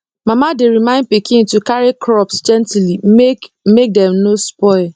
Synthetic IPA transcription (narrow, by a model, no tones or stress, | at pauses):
mamadeɾimãɪ̃nd̚pikʰɪ̃ŋtukaɾikʰɾɔpsd͡ʒɛ̃ntili | mek̚dɛ̃mnospɔɪl